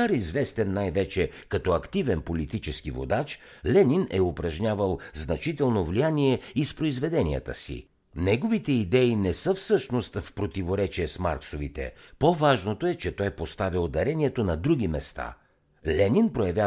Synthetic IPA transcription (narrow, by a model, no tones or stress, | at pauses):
aɾizvɛst̪ɛnːajvɛt͡ʃɛkɐt̪ɔɐkt̪ivɛnpolit̪it͡ʃɛsk̟ivo̰d̪at͡ʃ | lɛninɛʊpɾɐʒɲʲavəlˠznɐt͡ʃit̪ɛlˠnovlijaniɛispɾoizvɛd̪ɛnijə̰t̪ə̰sḭ | nɛɡovit̪ɛid̪ɛinɛsɤfsɤʃnost̪fpɾot̪ivoɾɛt͡ʃiɛsma̰ɾksovit̪ɛ̰povaʒnot̪oɛt͡ʃɛt̪ɔjpost̪avilˠd̪ɐɾɛniɛt̪onɐd̪ɾuɡ̟imɛst̪a̰ | lɛninpɾojɐvʲja